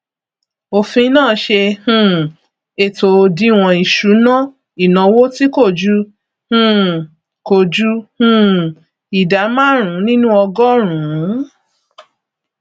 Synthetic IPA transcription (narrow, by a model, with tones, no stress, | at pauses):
o˨fĩ˧nãː˦˨ʃe˧hũ˦˧˨ | e˨to˨o˧di˧˦w̃ɔ̃˧i˨ʃu˨˦nã˦ | i˨nã˨˧wo˦ti˦ko˦˨d͡ʒu˦ | hũ˧˨ | ko˨d͡ʒu˧˦hũ˦ | i˨da˨˦mã˦ɾ̃ũ˨˦nĩ˦nũ˦ɔ˧ɡɔ˦ɾ̃ũ˨˦